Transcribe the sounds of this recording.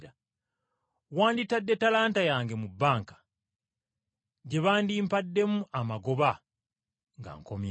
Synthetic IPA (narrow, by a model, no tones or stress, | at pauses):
ɾa | waːnditadːetalaːntajaːŋɡe̞mubːaːŋkḁ | ɟe̞βaːndiːmpadːe̞muʔamaɡo̞βa | ŋɡa̰ŋkomj